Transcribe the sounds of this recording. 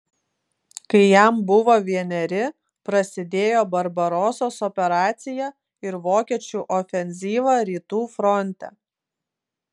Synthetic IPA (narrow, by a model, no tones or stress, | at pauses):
kɐɪjæmbʊʋoːʋʲiɛnʲɛɾʲɪ | pɾɐsʲɪd̪ʲeːjoːbɐɾbɐɾɔːsoːsɔpʲɛɾɑːt̪sʲɪjɛ | ɪɾʋoːkʲiɛt͡ʃʲuːʔɔfʲɛnʲzʲiːʋɑːɾʲiːt̪uːfɾɔnʲˑt̪ʲɛ̰